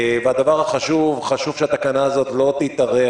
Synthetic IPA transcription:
vead̪avaʁhaχaʃuvχaʃuv̥ʃeat̪akanaːzot̪lo̞t̪it̪aʁe

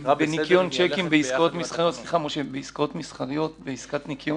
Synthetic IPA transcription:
benikjont͡ʃekimbeiskaot̪misχaʁijot̪sliχamoʃebeiskaot̪misχaʁijot̪beiskat̪nikjo

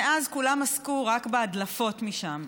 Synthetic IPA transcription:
eʔazkulamaskuʁakbeadlafo̞tmiʃam

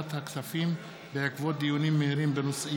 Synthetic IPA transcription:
t̪ʰaksafim | beakvɔd̪ijunimehɾinbenusi

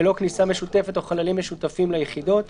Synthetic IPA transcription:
lo̞knisame̞ʃut̪e̞fe̞t̪o̞χalalimːeʃut̪afimlajeχid̪o̞t̪

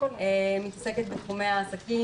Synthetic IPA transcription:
oemit̪ase̞ket̪bet̪χumeaːsaki

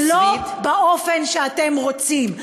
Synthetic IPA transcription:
lobeʔofe̞nʃeat̪emʁo̞t͡sim

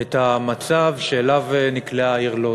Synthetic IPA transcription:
et̪amat͡savʃeːlavenikleaiʁlo

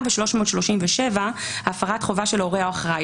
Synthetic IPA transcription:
veʃlo̞ʃmotʃlo̞ʃimveʃevaaːfaʁatχovaʃelo̞ʁeaaχʁa

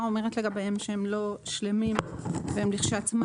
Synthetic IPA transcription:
omeʁetleɡabehemʃehemlo̞ʃlemimveemliχʃeat͡sma

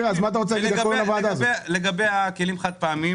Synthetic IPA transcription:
azmat̪̬aʁot͡selaɡiɡaolavad̪azeleɡabejakelimχad̪̚paːmi

